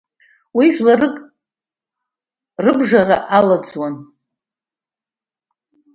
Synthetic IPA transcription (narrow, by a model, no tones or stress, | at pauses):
wiʃᶣlarɨkʼ | rɨbʐaraʔalad͡zwan